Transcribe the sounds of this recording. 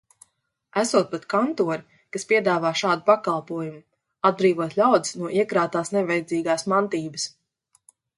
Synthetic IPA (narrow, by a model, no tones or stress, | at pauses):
æsuɔt̪̚pat̪kant̪uɔɾi | kaspʲiɛd̪aːvaːʃaːd̪upakalˠpuɔjumu | ad̪̚bɾiːvuɔt̪lʲawd̪isnuɔʔiɛkɾaːt̪aːsnɛvɛjd̪ziːɡaːsmant̪iːbəs